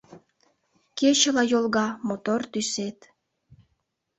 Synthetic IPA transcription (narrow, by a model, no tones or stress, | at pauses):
ket͡ɕəlɑjolɣɑmot̪ort̪yset̪